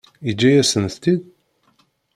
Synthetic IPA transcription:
id͡ʒːæjæsənθt̪id̪

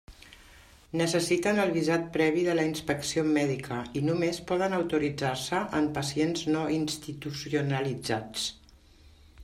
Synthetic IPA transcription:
nəsəsit̪ənəlˠβizat̪̚pɾɛβ̞iðələinspəksiomɛðikʰəinumespɔð̞ənəwt̪uɾid͡zaɾsəʔəmpəsienznoinst̪it̪usiunəlid͡zat͡s

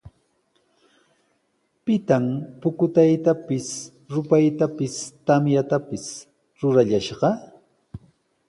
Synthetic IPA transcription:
pɪt̪ampʊkʊt̪ajt̪apɪs | ɾʊpajt̪apɪst̪amjat̪apɪs | ɾʊɾaʎaʃɢɑ

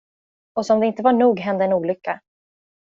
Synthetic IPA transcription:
ɔsɔmd̪ɛɪnt̪əvaɳuːɡɦɛnd̪əɛnuːlʏkːa

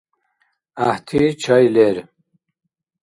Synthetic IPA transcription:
aht̪ʰit͡ɕʰɐjleɾ

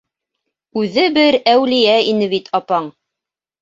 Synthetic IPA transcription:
ʉðɘbɘɾæwlijæinɘβit̪ʰɑpɑɴ

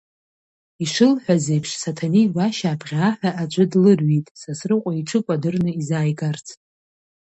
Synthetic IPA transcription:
iʂɨlħʷazejpʰʂsatʰaniwaʃaːbʁʲaħʷᶣaʔat͡ʃʷʼɨdlɨrɥitʼsasrɨqʷʼaiʈ͡ʂʰɨkʷʼadɨrnɨizaːjɡart͡sʰʼ

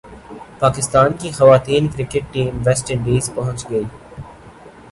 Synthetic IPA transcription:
paːkɪst̪aːnkixɐʋaːt̪iːnkɾɪkɪʈ̚ːiːmʋɛsʈɪ̃ɳɖiːzpɐɦʊ̃ɲt͡ʃɡɐiː

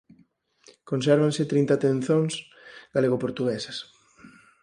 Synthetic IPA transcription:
kõnsɛɾβanset̪ɾĩnt̪at̪ẽn̟θoŋs | ɡaleɣopoɾt̪uɣɛsɐs

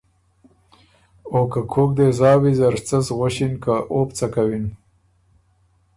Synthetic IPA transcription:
okakʰok̚d̪ezɑːwizaɾt͡sasɣaɕinkaʔopt͡sakawin

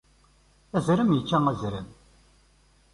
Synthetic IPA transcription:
æzɾəmjəkːææzɾəm

